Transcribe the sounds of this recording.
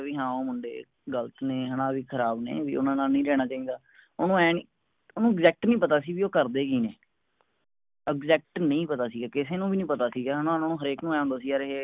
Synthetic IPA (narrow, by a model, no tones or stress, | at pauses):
ʋiːɦãːoːmʊɳɖḛː | ɡələt̪neːɦənãːʋiːkʰəɾaːbnḛːʋḭːʊ̰nãːnaːnəĩːɾɛːɽ̃aːt͡ʃaːĩːd̪aː | oːnũːɛːniː | oːnũːɪɡzɛːk̚ʈnəĩːpət̪aːsiːʋiːoːkəɾd̪eːkiːneː | ɪɡzɛːk̚ʈnə̃ĩːpət̪aːsiːɡaːkɪseːnũːbiːnĩːpət̪aːsiːɡaːɦənãːnãːnũːɦəɾeːknũːɛ̃ːõːnd̪aːsiːaːɾeɦeː